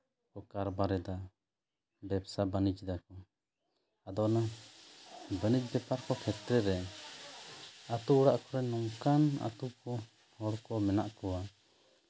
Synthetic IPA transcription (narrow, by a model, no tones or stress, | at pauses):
kɔkaɾbaɾɛd̪a | bɛbsabənit͡ʃd̪akɔ | ad̪ɔʔna | bənid͡ʒbɛpaɾkɔkʰɛt̪ɾɛɾɛ | at̪uuɽaʔkɔɾɛnɔŋkana̰t̪ukɔ | hɔɽkɔmɛnaʔkɔwa